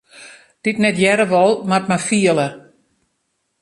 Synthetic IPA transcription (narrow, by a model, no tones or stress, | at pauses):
d̥itnɛtjɛɾəʋɔlˠmartmafiələ